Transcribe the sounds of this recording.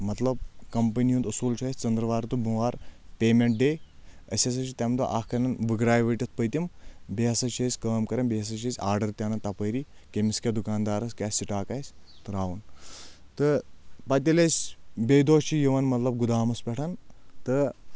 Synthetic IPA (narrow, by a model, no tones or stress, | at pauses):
mɐt̪lɐb̚kɐmpɐnijund̪ɐsuːlt͡ʃʰɐːsʲt͡sɐnd̪ɾɐʋaːɾt̪ubuʋaːɾpʲeːmeɳʈ̚ɖeːɐsʲɐs̬ɐt͡ʃʰit̪ʲɐmt̪ɐʔaːkkɐnɐnʋɨɡɾaːjʋɐːʈʲɐt̪̚ʰpəjt̪ʲimbeɐsɐt͡ʃʰɐsʲkəːmkɐɾɐnbeɐs̬ɐt͡ʃʰɐsʲaːɾɖɐɾt̪ʲjaːnɐnt̪ɐpəːɾikemiskʲɐd̪ukaːnd̪aːɾɐsʲkʲaːsʲsiʈaːkaːsʲt̪ɨɾaːʋunt̪ɨpɐt̪ʲɐlʲɐsʲbʲejd̪oːʃt͡ʃʰijiʋɐnmɐt̪lɐb̚ɡud̪aːmɐspʲɛʈʰɐnt̪ɨ